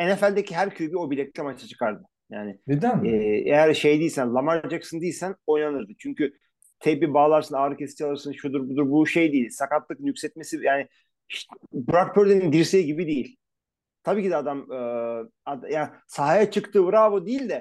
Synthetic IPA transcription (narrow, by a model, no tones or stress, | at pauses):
enefælʲd̪ecʰiɦæɾcʰøjybio̞bilʲɛc̚tlʰʲɛmat͡ʃt̪ʰat͡ʃʰɯ̥kʰaɾd̪ɯ | jaːnɪd̪ejæɾʃe̞jd̪ijilʲsænlˠamaɾd͡ʒaksɯnd̪ijilʲsæno̞jnanɯɾd̪ɯt͡ʃʰyɲcy | t̪ʰebibaːlˠaɾsɯnaːɾɯkest̪ʰijalˠɯɾsɯnʃud̪uɾbud̪uɾbuʃe̞jd̪ejisakat̪lˠɯk̚njycʲsɛt̪̚mesijaːnɪ | bɯɾak̚pʰøɾd̪enind̪iɾsejiɟibid̪ejilʲ | t̪ʰabiːcid̪ɛad̪amɯː | ad̪jaː | saɦajat͡ʃʰɯkt̪ʰɯːvɯɾavod̪ejilʲd̪ɛ